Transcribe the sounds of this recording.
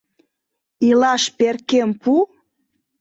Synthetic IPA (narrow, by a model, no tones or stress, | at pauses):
ilɑʃpeɾkempu